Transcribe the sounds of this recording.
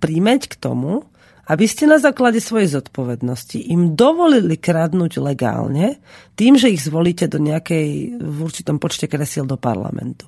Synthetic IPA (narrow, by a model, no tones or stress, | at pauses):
pɾimɛckt̪ɔ̰mu | ʔabiscɛnazaːklaɟɛsʋɔjɛjzɔt̪pɔʋɛd̪nɔscḭʔimd̪ɔʋɔlilikɾad̪nuːɟlɛɡa̰ːlɲɛ | t̪iːmʒɛiɣzʋɔliːcɛd̪ɔɲɛakɛjvuɾt͡ʃi̥t̪ɔmpɔt͡ʃcɛkɾɛsild̪ɔpa̰ɾla̰mɛ̰nt̪u̥